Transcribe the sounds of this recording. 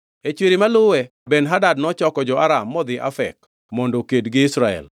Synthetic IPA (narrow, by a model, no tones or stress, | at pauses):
et͡ʃweɾimalʊwɛ | benɦadadnɔt͡ʃɔkɔd͡ʒɔʔaɾamːɔd̪ɪʔa̰fɛ̰k | mɔndokedɡɪɪsɾaɛ̰l